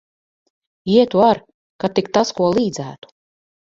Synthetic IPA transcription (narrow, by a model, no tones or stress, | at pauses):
iɛt̪uaɾ | kat̪ikt̪askuɔlˠiːd̪zæ̰ːt̪u̥